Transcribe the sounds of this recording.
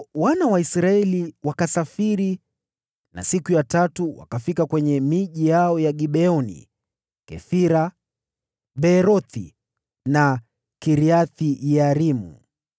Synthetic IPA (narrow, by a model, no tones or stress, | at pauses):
wanawaisɾaɛliwakasafiɾi | na̰sikujatatuwa̰kafikakwɛɲɛmiʄijaɔjaɠiɓɛɔnḭ | kɛ̰fiɾa | ɓɛɾɔθḭ | na | kiɾiaθijaɾimṵ